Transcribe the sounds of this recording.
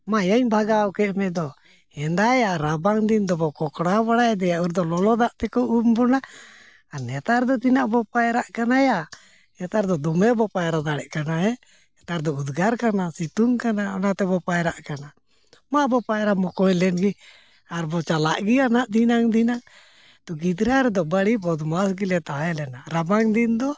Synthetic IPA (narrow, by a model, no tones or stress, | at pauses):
majaɲbʱaɡakɛʔmɛd̪ɔ | hɛnd̪ajaɾabaŋd̪ind̪ɔbɔkɔkɽabaɽad̪ɛjaʔuɾd̪ɔlɔlɔd̪aʔt̪ɛkɔʔumbɔnaː | nɛt̪aɾd̪ɔt̪inaʔbɔpajɾaʔkanaja | ɛt̪aɾd̪ɔd̪ɔmɛbɔpajɾad̪aɽɛʔkanaɦɛ | ɛt̪aɾd̪ɔud̪ɡaɾkanasit̪uŋkanaɔnat̪ɛbɔpajɾaʔkana | mabɔpajɾamɔkɔjlɛnɡi | aɾbɔt͡ʃalaʔɡianaʔd̪inaŋd̪inaŋ | t̪ɔɡid̪ɾaɾɛd̪ɔbaɽibɔd̪masɡilɛt̪aɛlɛnaɾabaŋd̪ind̪ɔ